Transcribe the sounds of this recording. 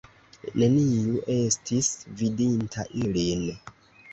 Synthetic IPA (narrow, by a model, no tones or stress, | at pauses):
ne̞niuʔe̞stisvidintʰa̰ʔilin